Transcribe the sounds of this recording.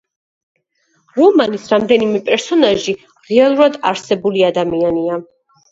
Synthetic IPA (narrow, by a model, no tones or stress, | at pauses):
ɾɔmanisɾamd̪ɛnimɛpʼɛɾsɔnaʒi | ʁɛalˠuɾad̪a̰ɾsɛbuliad̪amiania